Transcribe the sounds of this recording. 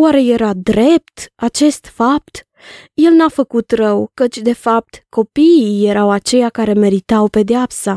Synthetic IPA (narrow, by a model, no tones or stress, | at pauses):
waɾe̞je̞ɾad̪ɾe̞p̚t̪at͡ʃe̞st̪fap̚t̪ | je̞lnafəkut̪rəwkət͡ʃʲd̪e̞fap̚t̪ko̞piije̞ɾawat͡ʃe̞jakaɾe̞me̞ɾit̪awpe̞d̪eapsa